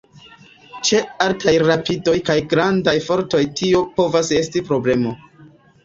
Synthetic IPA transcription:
t͡ʃe̞altʰajɾapido̞jkajɡɾandajfo̞ɾto̞jtʰio̞po̞vase̞stipɾo̞ble̞mo

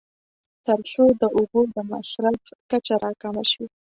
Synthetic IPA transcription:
t̪əɾsod̪əʔʊbod̪əma̰ʃɾafkat͡ʃaɾɑkɑmaʃi

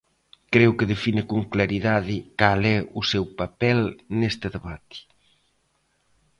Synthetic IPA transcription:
kɾewkɪðefinɪkoŋklaɾiðaðɪkalɛusewpapɛlnest̪ɪðeβat̪ɪ̥

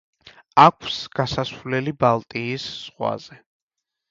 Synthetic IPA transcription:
akʰsɡ̥asasvlɛlibalˠt̪ʼiːsz̥ʁwa̰z̥ɛ

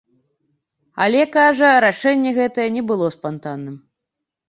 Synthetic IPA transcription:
ɐ̰lʲɛkaʐɐɾaʂɛnʲːɛɣɛt̪ɐjɛnʲɛbɨlˠɔspant̪anːɨm

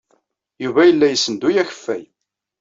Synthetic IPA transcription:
juvæjəlːæjəsːənd̪ujæçə̥fːæ̰j

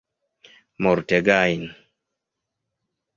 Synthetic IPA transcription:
mɔɾtɛɡajin

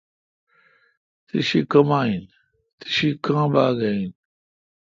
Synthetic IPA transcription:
t̪iɕikɐmaːin | t̪i̥ɕikãːbaːɡain

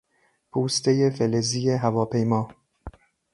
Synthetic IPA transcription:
pʰuːst̪ʰejefeleziːjeɦævɒːpʰe̞jmɒː

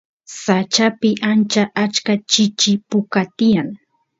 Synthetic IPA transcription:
sat͡ʃapɪʔant͡ʃaʔat͡ʃkat͡ʃɪt͡ʃɪpʊkat̪ɪjaŋ

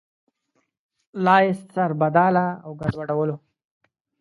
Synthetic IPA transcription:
lɑjɪst̪saɾbad̪ɑːlaːwɡaɖwaɽawəlo

